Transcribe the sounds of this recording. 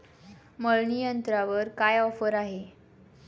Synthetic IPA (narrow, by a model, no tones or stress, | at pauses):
məɭnijənt̪ɾaʋəɾkajɔfəɾaɦe